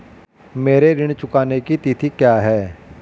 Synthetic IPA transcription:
meːɾeɾɪɽ̃t͡ʃʊkaːnekit̪it̪ʰikjaːɦɛː

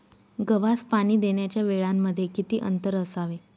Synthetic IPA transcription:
ɡəʋaspaɽ̃iːd̪eɳjat͡ɕjaʋeɭamːəd̪ʱːjekit̪iːʔə̰nt̪əɾəsaʋe

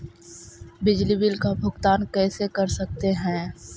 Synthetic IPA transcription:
bɪd͡ʒlibɪlkabʱʊɡt̪aːnkɛːsekɐɾsɐk̚t̪eɦɛ̃ː

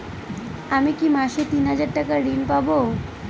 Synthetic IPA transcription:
amikimaʃet̪inɦad͡ʑaɾʈakaɾɖinpabo

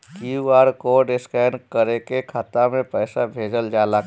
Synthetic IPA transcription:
kuaːɾkoɖɪskɛːnkəɾekekʰat̪amẽpəːsabʱeːd͡ʒəld͡ʒaːla

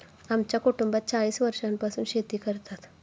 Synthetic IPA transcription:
amt͡ʃakuʈumbat͡ʃaːɭiːsʋəɾʃanpasunʃet̪ikəɾt̪at̪ʰ

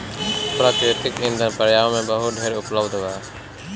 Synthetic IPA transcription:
pɾaːt̪ɾeːt̪ɪkɪ̃nd̪ʱənpəɾjaːʋmẽːbəɦʊɖʱeːɾʊpləbd̪ʱʋaː

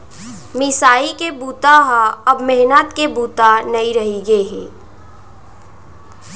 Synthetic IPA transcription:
mɪsaːikebuːt̪aɦaɐbmɛɦnət̪kebuːt̪anɐiɾɐɦiɡəeɦɛ̃ː

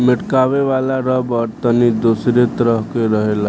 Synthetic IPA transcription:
miʈkaʋeʋalaɾəbəɾt̪ənid̪osɾet̪əɾəɦkeɾəɦela

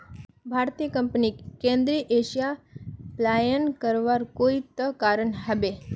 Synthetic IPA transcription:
bʱaːɾt̪ijəkə̃mpnikkẽːnd̪ɾiʔeːʃijaplaːjənkəɾʋaɾkoːit̪əkaːɾəɳɦɐbe

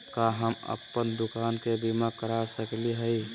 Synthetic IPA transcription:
kaɦəmə̰pːənd̪ʊkaːnkebimakəɾasəkliɦɛi

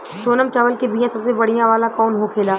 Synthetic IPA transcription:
ʃoːnəmt͡ʃaʋəlkebiːjãsɐbsebɐɽ̤ijãʋaːlãkɔːnɦokʰeːlaː

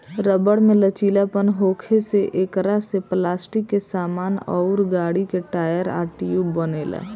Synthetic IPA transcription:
ɾəbəɽmẽlət͡ʃiːlapənɦoːkʰeseʔeːkɾaseplaːsʈɪkːesaːmaːnɔ̰ʊɾɡaːɽikeʈaːjəɾa̰ːʈijubəneːlɛ̰ː

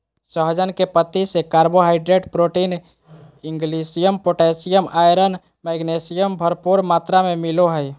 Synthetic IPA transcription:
səɦd͡ʒənkepət̪ːisekaːɾboɦaɪɖɾeɖpɾoʈin | iŋɡlisijəmpoʈesijəmʔajɾən | mɛɡnesijəmbʱəɾpuɾmat̪ɾamemiloɦəj

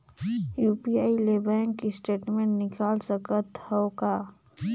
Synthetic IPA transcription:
juːpiaːileːbɛ̃ːŋkːisʈeːʈmẽɳʈnɪkaːlsəkət̪hɔokaː

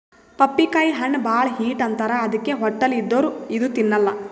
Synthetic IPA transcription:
pɐpːikaːjiɦɐɳːbaːɭɐɦiːʈɐnt̪ɐɾɐːd̪ɐkːeɦɔʈːɐlid̪ːoːɾuid̪ut̪inːɐlːɐ

